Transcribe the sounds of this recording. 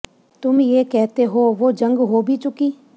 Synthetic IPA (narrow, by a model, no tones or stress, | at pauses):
t̪ʊmjeːkɛːt̪eːɦoːʋoːd͡ʒəŋɡɦoːbʱiːt͡ʃʊkiː